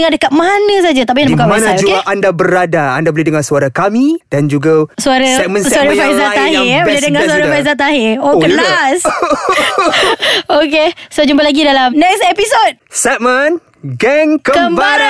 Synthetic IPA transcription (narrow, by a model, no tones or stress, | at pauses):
əŋadəkat̚manə̃s̬ad͡ʒat̪aʔp̬iandabəkawasand͡ʒokeaʔandabəɾadaa̰ndaboledəŋasuaɾakamĩd̥and͡ʒuɡasuaɾəsɛmə̃nsuaɾəfaizat̪aɦibolɛdəŋasuaɾəfajzat̪aɦɪokəlas | okesod͡ʒumbəlaɡidalamnɛksepisot̚sɛt̚mən | ɡɛŋkəkəmbaɾa